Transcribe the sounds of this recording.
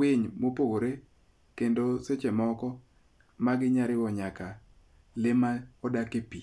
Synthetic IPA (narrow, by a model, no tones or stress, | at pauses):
weɲmopoɾe | kendoset͡ʃemɔkɔ | maɡɪɲaɾɪwɔɲaka | lɪmaɔdakepi